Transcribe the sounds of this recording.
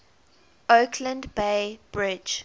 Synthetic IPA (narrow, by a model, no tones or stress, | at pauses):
ʔokʰlə̃ndbeɪb̥ɹɪd͡ʒ